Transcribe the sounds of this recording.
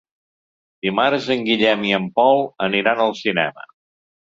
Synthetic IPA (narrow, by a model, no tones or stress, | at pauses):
d̪imaɾəzəŋɡiʎɛmiəmpɔlˠəniɾanəlˠsinɛ̰mə̰